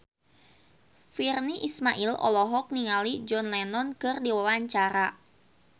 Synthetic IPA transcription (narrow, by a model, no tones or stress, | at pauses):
firniʔismaʔilɔ̰lɔɦɔk̚niŋalid͡ʒɔnlɛnɔnkɨrdiwawaɲt͡ʃaɾa